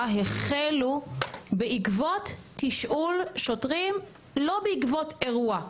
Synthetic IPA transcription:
ɦeχelubeʔikvotʰːiʃʔulʃotʁim | lo̞beikvotʰeʁua

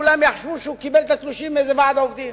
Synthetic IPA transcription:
ulamjaχʃvuʃukibelt̪at̪luʃimezevaʕd̪oovd̪im

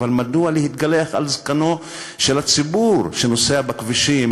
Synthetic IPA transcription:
almadualehit̪ɡaleaχa̰lzkano̞ | ʃelat͡sibuɾʃenoseabakviʃim

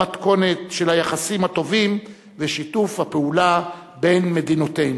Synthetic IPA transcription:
atko̞ne̞t̪ʃelhajaχasimhato̞vim | veʃitufhapeula | be̞nme̞d̪inot̪en

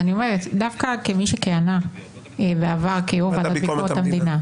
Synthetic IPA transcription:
anio̞meʁd̪afkakemiʃekeana | eveavaʁkeovaaiott̪amd̪ina

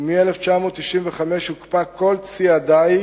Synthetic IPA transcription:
mieleft͡ʃamo̞ːt̪ːiʃimveχameʃhukpakʰo̞lt͡siad̪aj

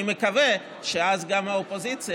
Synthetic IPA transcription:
imekave | ʃeazɡamhaopozit͡s

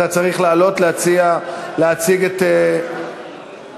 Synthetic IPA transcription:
at͡saʁiχlaːlo̞t̪leat͡sialeat͡siɡet̪e

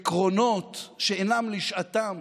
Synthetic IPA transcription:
kʁo̞no̞t̪ʃeenamliʃat̪am

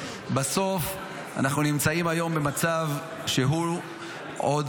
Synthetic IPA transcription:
baso̞f | a̰naχnunimt͡saimajo̞mbe̞mat͡sav | ʃeɦu | ʔod

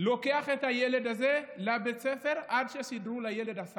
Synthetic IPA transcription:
lo̞ke̞aχet̪hajele̞dazelabet͡sefe̞ʁʔadʃesidʁulajeledas

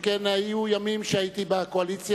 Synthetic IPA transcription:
kenhajujamimʃeait̪ibako̞alit͡sj

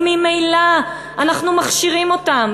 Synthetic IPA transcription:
mimejla | anaχnumaχʃiʁimo̞tam

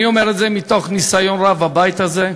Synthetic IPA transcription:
iomeʁetzemit̪o̞χnisajo̞nʁavabajt̪aze

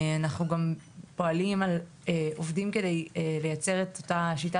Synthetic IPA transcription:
anaχnuɡam | po̞alimal | eovdimke̞de̞jle̞jat͡se̞ʁetotaʃita

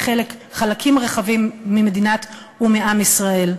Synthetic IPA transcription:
χe̞le̞kχalakʰimʁeχavimːimedinat | umiamisʁae̞l

